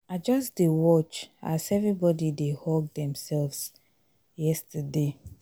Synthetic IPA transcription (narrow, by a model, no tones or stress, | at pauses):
ad͡ʒɔsdewɔt͡ʃa̰sɛvɹibɔdidehɔɡ̚dɛ̃msɛlvs | jɛstəde